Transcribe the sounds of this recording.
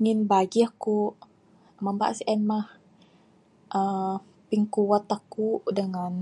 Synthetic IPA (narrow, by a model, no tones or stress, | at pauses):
ŋinbaɡiəhkuʔ | məmba̰ʔsɛnmah | ʔə | piŋkuwat̪ahkuʔdəŋan